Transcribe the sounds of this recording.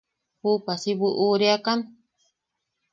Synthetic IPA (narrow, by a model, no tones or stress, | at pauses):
hupasibuʔuːɾeakan